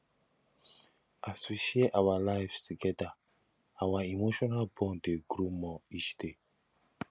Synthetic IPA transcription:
asiʃieʔawalajvtuɡɛda | awaimoʃɔnalbɔ̃ndeɡɾumɔiʃte

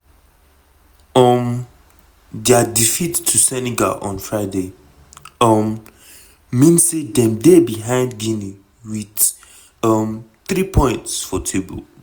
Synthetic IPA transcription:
ʌm | dɛadifitʰːusɛniɡa̰ʔɔ̰̃nfɹaɪde | ʌmː | ĩnsedɛ̃mdebiɦãɪ̃ndɡĩni | wid | ʌmθɹipʰɔ̃ɪ̃ntsfɔtʰebə̰l

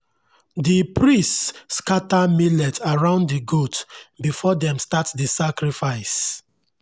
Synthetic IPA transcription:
dipɹistskatamilɛtʰaɹãʊ̃ndiɡotbifɔdɛ̃mstatdisakɾifaɪs

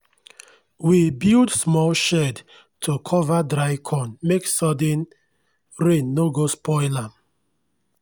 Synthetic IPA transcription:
wibildsmɔlʃɛd | tʰokʰɔvadɹaɪkʰɔ̃nmeksɔdə̃n | ɹẽnːoɡospɔɪlam

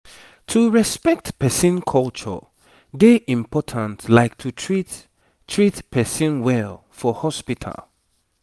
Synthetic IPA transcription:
tʰuɹɛspɛk̚tpɛsĩnkʰɔlt͡ʃə̰ | ɡeʔĩmpʰɔtʰə̃ntlaɪk̚tʰutʰɹit | tʰɹitpʰɛsĩnwɛl | fɔhɔspitʰə̰lˠ

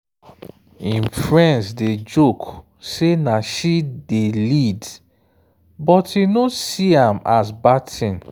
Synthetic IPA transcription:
ĩnfɹɛ̃nsded͡ʒok | senaʃidelid | bɔtinosiãmasbatʰĩn

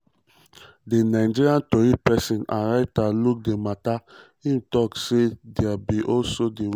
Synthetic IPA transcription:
denaɪd͡ʒiɾiãntoɾipɛsĩnã̰nɾaɪtaluk̚dematahĩm̩tɔksedeabiʔɔlsodi

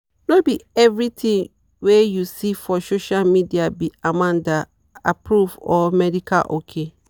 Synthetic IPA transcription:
nobiɛvɾitʰĩŋ | wejusifɔsoʃalmidiabiamãnda | apʰɾuvɔmɛdikʰa̰lʔokʰe

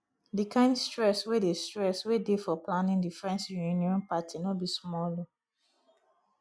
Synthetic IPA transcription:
dikʰãɪ̃ndstɹɛswedestɹɛswedefɔplãnĩndifɹɛ̃nsjuniɔ̃npatʰinobismɔlo

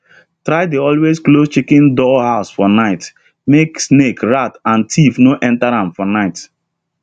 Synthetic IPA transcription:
tɾaɪdeɔlwesklost͡ʃikɛ̃ndɔhaʊsfɔnaɪt | meksnekɹatãntʰifnoʔɛ̃ntaɾãmfɔnaɪt

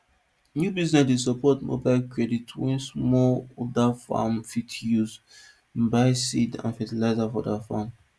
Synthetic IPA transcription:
njubiznɛsisɔpɔtmo̰baɪlkɹɛditʰwɛ̃nsmɔlɔdafa̰mfitʰjuz | baɪsidã̰nfɛtilaɪzafɔ̰dafam

